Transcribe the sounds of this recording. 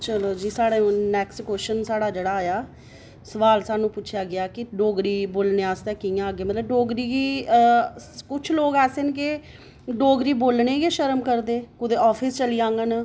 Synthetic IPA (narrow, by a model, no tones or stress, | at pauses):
t͡ʃəloːd͡ʒiːsaːɽeːũːnɛːkskoːʃənsaːɽaːd͡ʒeːɽaːjaː | səʋaːlsaːnũːpʊːt͡ʃʰjaːɡɪaːkɪɖoːɡɾiːboːlneːaːst̪ɛːkijãːɡeːmət̪ləbɖoːɡɾiːɡiː | kʊt͡ʃʰloːɡɛːseɪnke | ɖoːɡɾiːboːlɳeːɡeːʃəɾəmkəɾd̪eːkʊd̪eːɔːpʰɪst͡ʃəliːãːŋɡən